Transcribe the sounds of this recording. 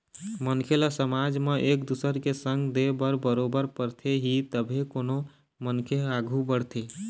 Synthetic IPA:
mənkʰeləsəmad͡ʒmeʔekd̪usəɾkesə̃ŋɡd̪ebəɾbəɾobəɾpəɾt̪ʰeɦit̪əbʱekoːno | mənkʰeaɡʱubəɽt̪ʰe

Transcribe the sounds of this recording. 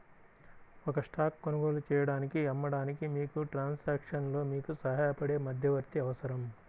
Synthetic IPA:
ɔkɐʂʈaːkkːonɐɡo̞ːlut͡ʃɛːjɐɽaːnikiɛmːɐɽaːnikimiːkuʈɾaːnsaːkʂɐnlo̞ːmiːkusɐɦaːɐpɐɽe̞ːmɐd̪ʱjɐʋɐɾt̪iɐʋɐsɐɾɐm

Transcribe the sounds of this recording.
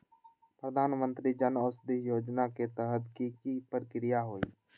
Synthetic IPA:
pɾəd̪ʱaːnmə̃nt̪ɾid͡ʒənɔːsd̪eɦjoːd͡ʒnaket̪ɛɦəd̪kikipɾkɾijaɦoːḭː

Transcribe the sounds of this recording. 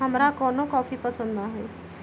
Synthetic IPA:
ɦəmɾakɔːnõkɔːfipəsə̃nd̪ãːɦɛː

